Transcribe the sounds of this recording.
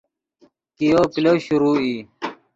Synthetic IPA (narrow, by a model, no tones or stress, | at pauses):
kijoːkiloːɕuɾuːi